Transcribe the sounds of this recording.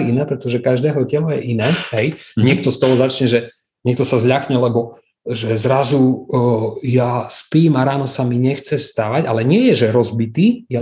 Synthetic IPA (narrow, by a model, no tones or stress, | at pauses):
iinɛːpɾɛt̪ɔʒɛkaʒd̪ɛːɦɔcɛlɔjɛʔinɛːɦɛjɲɪɛk̚t̪ɔst̪ɔɦɔzat͡ʃɲɛʒɛ | ɲɛk̚t̪ɔsazʎakɲɛlɛbɔ | ʒɛzɾazu | jaspiːmaɾaːnɔsamiɲɛxt͡sɛfst̪aʋaɟalɛɲɪɛjɛʒɛɾɔzbit̪iːjɛ